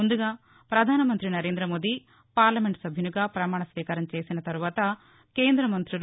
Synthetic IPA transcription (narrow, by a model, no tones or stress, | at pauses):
und̪uɡaː | pɾɐd̪ʱaːnɐmɐnt̪ɾinɐɾe̞ːnd̪ɾɐmo̞ːd̪i | paːɾlɐmeɳʈsɐbʱjɐnuɡaːpɾɐmaːɳɐsʋiːkɐɾɐmt͡ʃe̞ːsinɐt̪ɐɾuʋaːt̪ɐ | ke̞ːnd̪ɾɐmɐnt̪ɾul